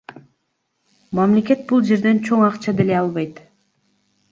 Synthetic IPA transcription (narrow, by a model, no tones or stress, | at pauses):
mamle̞kʲe̞t̪̚bulˠd͡ʒe̞ɾd̪e̞nt͡ʃʰo̞ŋɑqt͡ʃɑd̪ele̞ɑlˠβɑjt̪